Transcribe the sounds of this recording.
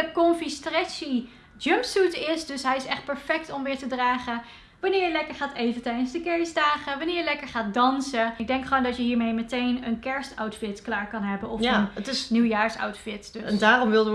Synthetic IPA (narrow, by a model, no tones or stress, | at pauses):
əkɔmfistrɛsi | d͡ʒəmpsutɪsdɵsɦɛjɪsɛχt̚pɛɹfɛk̚tɔmʋɪːɹtədraːχə | ʋɑnɪːɹjəlɛkəɹχaːtejvətɛjdənzdəkɛɹsdaːχəʋɑnɪːɹjəlɛkəɹχaːt̚dɑnsəɪɡ̚dɛŋkχəʋoːndɑtjəɦiːɹmejmətejnənkɛɹstawtfɪtklaːɹkɑnɦɛbənɔfənətɪsniwjaːɹsa̰wtfɪtdndaːrɔmʋɪlˠdə